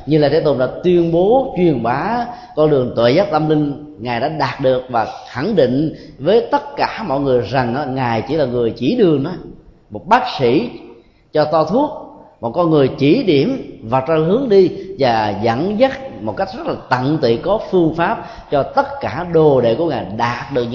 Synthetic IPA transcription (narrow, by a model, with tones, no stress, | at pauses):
ɲɨ˧laː˨˩t̪ʰe˧˦t̪o˧˩ɗa̰ː˧˥t̪wi˧ənɓo˨˦t͡ɕwi˨˩ənɓaː˨˦ | kɔ˧nɗɨ˨˩əŋt̪wḛ˧˨jzaː˨˦˥t̚t̪ə˧mlï˧ŋ̟ | ŋaː˨˩jɗa̰ː˧˥ɗaː˨˩t̚ɗɨ˨˩ək̚vaː˨˩xa˧˩ŋɗḭ˧˨ŋ̟ | vəː˨˦jt̪ə˦˥t̚kaː˧˩mɔ̰˧˨jŋɨ˨˩əjza˨˩ŋʔaː˨˧˦ŋaː˨˩jt͡ɕi˧˥laː˨˩ŋɨ˨˩əjt͡ɕi˧˩ɗɨ˨˩əŋɗɔ˨˦ | mo˨˩t̚ɓaː˦˥k̚sḭ˧˩˥ | t͡ɕɔ˧t̪ɔ˧t̪ʰu˦˥ək̚mɔ˨˩kɔ˧nŋɨ˨˩əjt͡ɕi˧˩ɗi˧˩əmva˨˩t̚ɔ˧hɨ˨˦əŋɗi˧vaː˨˩zə̰˧˥nzə˦˥t̚mo˨˩t̚ka˦˥jk̟̚z̥ə˦˥t̚laː˨˩t̪ə̰˧˨nt̪ḭ˧˨kɔ˨˦fɨ˧əŋfaː˦˥p̚ | t͡ɕɔ˧t̪ə˦˥t̚kaː˧˩ɗo˨˩ɗḛ˧˨ku˧˩əŋaː˨˩jɗaː˨˩t̚ɗɨ˨˩ək̚